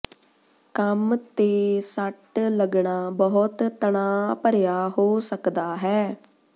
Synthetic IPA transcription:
kəmt̪eːsəʈləɡɳaːbəɦʊt̪t̪əɳaːpəɾjaːɦoːsəkd̪aːɦɛː

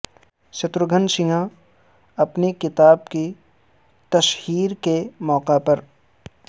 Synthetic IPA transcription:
ʃɐt̪ɾʊɡʱənʃɪŋã | ɐpnikɪt̪aːbki | t̪ɐʃhiːɾkemɔːqapɐɾ

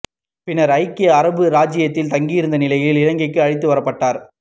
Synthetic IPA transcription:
pɪnɐɾɐɪkːeɐɾɐbɯɾaːd͡ʒɪjɐt̪ːɪlt̪ɐŋɡijɪɾɯnd̪ɐnɪlɐjɪlɪɻɐŋɡɐɪkːɯɐɻɪt̪̬ːɯʋɐɾɐpːɐʈːaːɾ

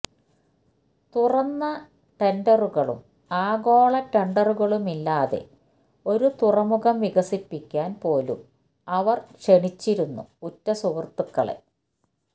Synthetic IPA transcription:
t̪urɐnːɐ | ʈeɳɖɐruɣɐɭṵm | aːɣo̞ːɭɐʈeɳɖɐruɣɐɭumilːaːðe̞̰ | o̞ɾut̪urɐmuɣɐmʋiɣɐsipːikʲːaːnpo̞ːlṵm | ɐʋɐrʂeɳit͡ɕːiɾunːṵutːɐsuʋrt̪ːukːɐɭe̞̰

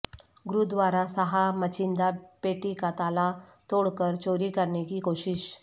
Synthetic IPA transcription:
ɡɾud̪ʋaːɾasɐɦamɐt͡ʃɪ̃nd̪apeːʈikat̪aːlat̪oːɽkəɾt͡ʃoːɾikɐɾnekikoːʃɪʃ

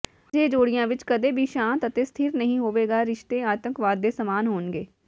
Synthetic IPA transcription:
d͡ʒeːd͡ʒoːɽɪjãːʋɪt͡ʃkəd̪eːbʱiːʃãːnt̪ət̪eːst̪ʰiːɾnəɦĩːɦoːʋeːɡaːɾɪʃt̪ẽːaːt̪ə̃ŋkʋaːd̪ːeːsəmaːnɦoːnɡeː

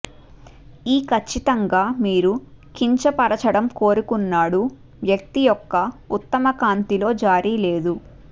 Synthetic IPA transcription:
iːkʰɐt͡ʃːit̪ɐŋɡaːmiːɾu | kiɲt͡ʃɐpɐɾɐt͡ʃɐɽɐmko̞ːɾukunːaːɽu | ʋjɐk̚t̪ijɔkːɐut̪ːɐmɐkaːnt̪ilo̞ːd͡ʒaːɾile̞ːd̪u

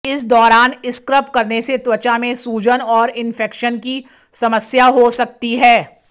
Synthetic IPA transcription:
ɪsd̪ɔːɾaːnɪskɾəpkɐɾneset̪wɐt͡ʃamẽsuːd͡ʒənɔːɾɪnfɛːkʃənki | sɐməsjaɦosɐk̚t̪iɦɛː

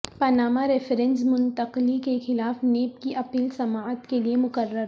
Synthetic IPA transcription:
pɐnaːmaɾɪfəɾɛ̃nsmʊnt̪ɐqlikexɪlaːfneːp̚kiʔɐpiːlsɐmaːət̪keliemʊkəɾːəɾ

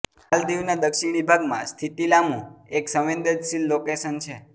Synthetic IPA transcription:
hald̪iʋnad̪əkʃiɳ̃ibʱaɡmã̰st̪ʰit̪ilamũeksə̃ʋend̪əd̪ʃilːokesənt͡ʃʰe

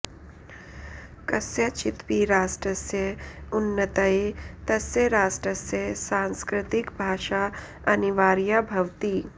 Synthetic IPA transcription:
kɐsjɐt͡ʃɪt̪piːɾaːʃʈɾəsjɐʊnːɐt̪ɐet̪ɐsjɐɾaːʃʈɾəsjɐsãːnskɾɪt̪ɪkbʱaːʃa | ɐniʋaːɾjabʱɐʋt̪iː

